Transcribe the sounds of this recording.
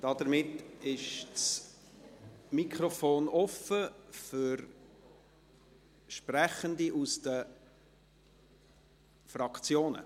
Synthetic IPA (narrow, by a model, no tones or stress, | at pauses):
d̥ɑd̥əɾmɪtːɪʃs | mikχrɔfoːnʔɔfəfʏɾ | ʃprɛχəndiʔusd̥ə | frɑkt͡sjoːnə̰